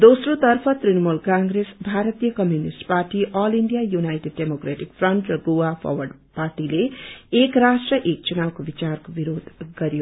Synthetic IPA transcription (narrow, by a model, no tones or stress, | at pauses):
d̪osrot̪ʌrpʰʌt̪rinʌmulkãŋɡɾesbʱaɾʌt̪ijʌkʌmjunisʈparʈiʔʌliɳɖijajunajʈeɖːemokreʈik̚fʰrʌɳʈrʌɡowapʰʌ̰wʌɖ | parʈileːkrasʈrʌʔek̚t͡sunabkobit͡sarkobiɾod̪ʱɡʌɾjo